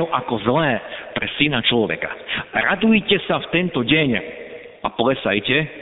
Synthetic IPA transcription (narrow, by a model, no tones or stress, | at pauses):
ɛʊʔakɔzlɛːpɾɛsinat͡ʃlɔʋɛ̰kḁɾad̪ujcɛsaft̪ɛnt̪ɔɟɛɲ | ʔapɔlɛsa̰jcɛ